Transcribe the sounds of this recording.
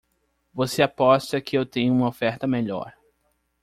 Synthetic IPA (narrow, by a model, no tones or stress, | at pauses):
voseapɔst̪ɐkɪewt̪ẽɲʊũmɐofɛɾt̪ɐmeʎɔ̰ɾ